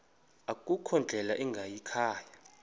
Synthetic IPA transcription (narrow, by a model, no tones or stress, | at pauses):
akʼukʰɔnd͡ɮʱɛlaʔɛŋɡʱajikʰaːja